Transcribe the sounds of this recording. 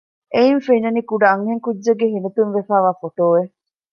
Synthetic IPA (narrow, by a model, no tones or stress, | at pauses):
ʔeinfeɲɐnikuɖɐːŋɦeŋkud͡ʒːɐɡːeɦinɐt̪unʋefæːʋaːfoʈoːʋe